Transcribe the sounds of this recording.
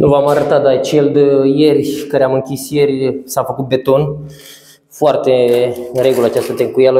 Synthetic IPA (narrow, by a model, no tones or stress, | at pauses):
nʔuvamaɾət̪ad̪at͡ʃe̞ld̪jerʲkaɾeamɨŋkʲisje̞rʲsafəkut̪̚be̞t̪o̞n | foart̪e̞ɨnre̞ɡuləat͡ʃast̪ət̪eŋkujalə